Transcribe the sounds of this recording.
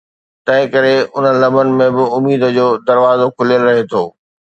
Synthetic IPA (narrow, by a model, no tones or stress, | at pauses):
t̪ɐ̃ɦɪ̃kɐɾeʊn̤əlɐmənɪ̆mẽbɪʊmiːd̪ə̆d͡ʑoːd̪ɐɾʋaːzokʰʊlijəlɾɐɦet̪ʰoː